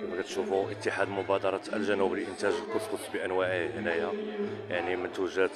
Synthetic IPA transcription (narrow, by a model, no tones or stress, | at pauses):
wækæt̪ʃufuʔət̪ːəħad̪mʊbæd̪ɑɾˤɑə̰lʒænubəlʔənt̪æʒlkʊt̪ːqʊt̪ːbiʔænwæʕihnæjæjaʕnimənt̪wəʒːəd̪